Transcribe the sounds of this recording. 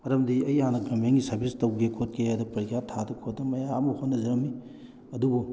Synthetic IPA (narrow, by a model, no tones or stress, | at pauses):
mɐɾɐmdiɐjanɐɡɐmeŋɡisɐɾbistɐwɡekʰot̚keadɐpɐɾɡjatʰadɐkʰot̚dɐmɐjamuhonːɐzɐɾɐmi | ɐdubu